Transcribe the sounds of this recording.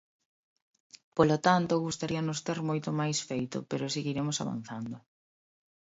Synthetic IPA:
polot̪ant̪ʊɣust̪aɾiɐnʊst̪eɾmojt̪ʊmajsfejt̪ʊ̰peɾʊseɣiɾemʊsa̰βa̰n̟θand̪ʊ

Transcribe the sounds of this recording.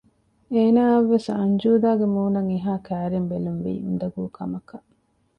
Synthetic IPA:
eːnaːɐʋːesɐɲd͡ʒuːd̪aːɡemuːnɐŋiɦaːkæːɾembelunʋḭːṵnd̪ɐɡuːkʰɐmɐkɐ

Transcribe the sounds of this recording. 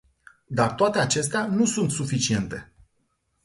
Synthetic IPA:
d̪art̪oat̪e̞at͡ʃe̞st̪eanusunt̪sufit͡ʃie̞nt̪e̞

